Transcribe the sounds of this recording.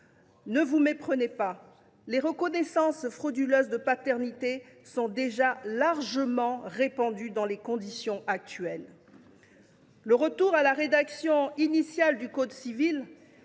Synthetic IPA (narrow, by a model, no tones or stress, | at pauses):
nəvumepχənepa | leʁəkɔnɛsɑ̃sfχɔd̪yløzd̪əpat̪ɛʁnit̪e | sɔ̃d̪eʒalaʁʒəmɑ̃ʁepɑ̃d̪yd̪ɑ̃lekɔ̃d̪isjɔ̃ʔak̚t̪ɥɛl | əʁət̪uʁalaʁed̪aksjɔ̃inisjald̪ykod̪sivil